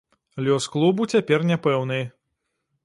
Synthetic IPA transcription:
lʲɔsklˠubut͡sʲapʲɛrnʲɛpɛwnɨj

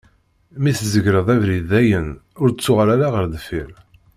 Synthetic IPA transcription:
miθzəʝɾəðˤævɾiðæjənʊɾt͡sːʊʁɾaɾaʁəɾðəfiɾ

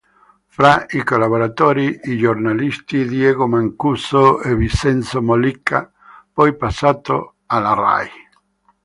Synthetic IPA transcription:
fɾaikolaβoɾat̪oːɾiid͡ʒornalist̪id̪jɛɡomaŋkusoevisɛnt̪somolikʰːa | pɔjpasːat̪o | alara̰j

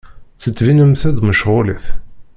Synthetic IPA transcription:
θət͡sːvinəmθæðməʃʁʊliθ

